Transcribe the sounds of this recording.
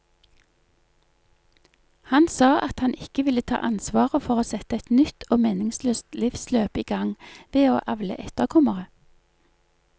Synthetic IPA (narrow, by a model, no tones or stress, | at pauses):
hɑnsɑːʔɑt̪hɑnɪkəʋɪlət̪ʰɑ̰ːʔɑnsʋɑːʁəfɔʁoːsɛt̪əɛt̪nʏt̪ʰoːmeːnɪŋsløːst̪lɪfsløːpiːɡɑŋʋeːoːʔɑʋlə̰ʔɛt̪əʁkʰɔməʁə